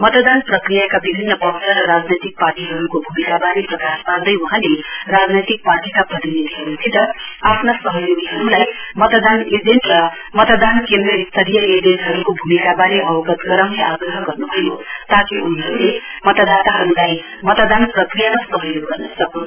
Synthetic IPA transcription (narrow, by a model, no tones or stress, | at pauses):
mʌt̪d̪anprʌkrijakabibʱinːʌpʌksʰʌɾʌɾad͡znʌjt̪ik̚parʈiɦʌɾukobʱumikabaɾeprʌkaspard̪ʌjuɦãlerad͡znʌjt̪ik̚parʈikapʌɾinit̪iɦʌɾut̪ʰit̪ʌapʰnasʌɦʌjoɡiɦʌɾulajmʌt̪d̪aned͡zenʈrʌ | mʌt̪d̪ankend̪rʌist̪ʰʌɾijʌed͡zenʈɦʌɾukobʱumikabaɾeʔʌwʌɡʌt̪ɡʌɾʌwneʔaɡrʌɦʌɡʌrnubʱʌjo̰t̪ãkiun̤iɦʌɾulemʌt̪ʌd̪at̪aɦʌɾulaj | mʌt̪d̪anprʌkrijamasʌɦʌjoɡɡʌrnʌsʌkũ